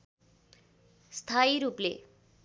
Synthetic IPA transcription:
st̪ʰajiɾuplḛ

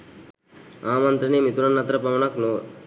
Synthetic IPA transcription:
aːmɐnt̪ɾɐnemit̪unɐnːɐt̪ɾɐpɐʋɐnɐknoː

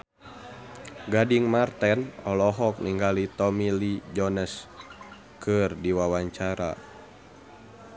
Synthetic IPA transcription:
ɡadiŋmart̪ɛnɔlɔɦɔk̚niŋɡalit̪ɔmilid͡ʒɔnəs | kɨrdiwawaɲt͡ʃaɾa̰

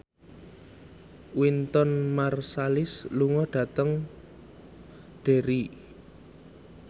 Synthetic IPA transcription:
wint̪ɔnmarsalɪsluŋɔɖ̥ä̤t̪əŋ | ɖ̥e̤ɾi

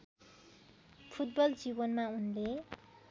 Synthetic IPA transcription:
pʰut̪̚bʌld͡zibʌnmaunle

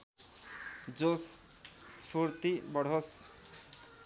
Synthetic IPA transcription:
d͡zosspʰuɾt̪ibɔɽ̤ɦos

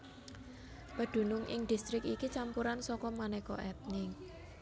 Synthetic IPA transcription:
pəɖ̪̥ṳnʊŋʔɪ̰ŋd̪̥i̤st̪ɾɪkikit͡ʃampuɾansɔkɔmanɛkɔ̰ʔɛt̪̚nɪŋ

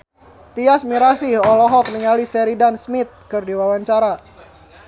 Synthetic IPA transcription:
t̪iasmiɾasiɔlɔɦɔk̚niŋalisɛɾidansmɪt̪̚kɨrdiwawaɲt͡ʃaɾa

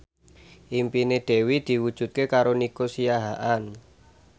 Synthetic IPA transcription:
ʔimpined̪̥e̤wid̪̥i̤wud̥ʒ̥ṳt̪̚kekaɾonikosijaɦaʔan

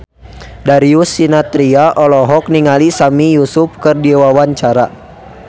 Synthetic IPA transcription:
daɾiusinat̪ɾiaʔɔlɔɦɔk̚niŋalisamijusupkərdiwawaɲt͡ʃaɾa

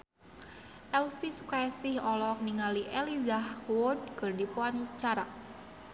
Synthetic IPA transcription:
ʔɛlfisukaasɪhɔlɔk̚niŋaliʔelizahwʊd̚kərdipuant͡ʃaɾa

